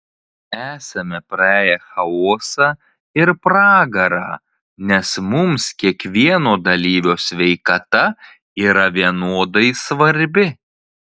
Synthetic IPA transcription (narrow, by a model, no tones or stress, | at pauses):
æːsɐmʲɛpɾɐæːjɛxɐoːsɑː | ɪɾpɾɑːɡɐɾɑ̰ː | nʲɛsmʊmskʲiɛkʋʲiɛnoːd̪ɐlʲiːʋʲoːsʲʋʲɛɪkɐt̪ɐ | iːɾɐʋʲiɛnoːd̪ɐɪsʋɐɾʲbʲɪ